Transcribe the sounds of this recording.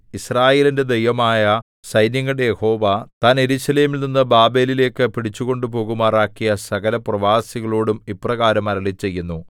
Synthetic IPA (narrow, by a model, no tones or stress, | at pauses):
israːje̞ːlinde̞d̪ejʋɐmaːjɐ | sɐjnjɐŋːɐɽejeho̞ːʋɐt̪aːne̞ɾuːɕɐleːmilninːɨbaːbe̞ːlile̞ːkːɨpiɽit͡ɕːuɣo̞ɳɖupo̞ːɣumaːraːkːijɐsɐɣɐlɐprɐʋaːsiɣɐɭoːɽumiprɐɣaːɾɐmɐɾɐɭit͡ɕːe̞jːunːu